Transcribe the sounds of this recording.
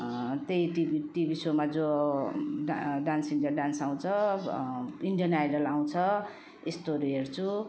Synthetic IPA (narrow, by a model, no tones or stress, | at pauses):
t̪ejʈibiʈibisomad͡zo | ɖansiɳɖijaɖansaw̃t͡sʰʌ | iɳɖijʌnajɖʌlaw̃t͡sʰʌ | est̪oɾiɦert͡sʰu